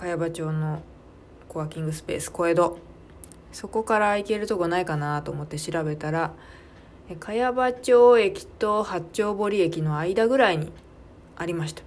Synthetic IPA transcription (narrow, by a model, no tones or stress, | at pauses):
kajabat͡ɕo̞ːno̞ | ko̞akʲĩŋɡɯ̟sɨ̥pe̞̰ːsɨ̥ko̞e̞d̪o̞ | so̞ko̞kaɾaike̞ɾɯ̟t̪o̞ɡonaikanat̪o̞ːmo̞t̪ːeɕiɾabe̞t̪aɾa | ekʰajabat͡ɕo̞ːe̞kʲi̥t̪o̞hat͡ɕt͡ɕːo̞ːbo̞ɾʲie̞kʲino̞aid̪aɡɯ̟ɾaiɲ̟ḭ | aɾʲimaɕi̥t̪ḁ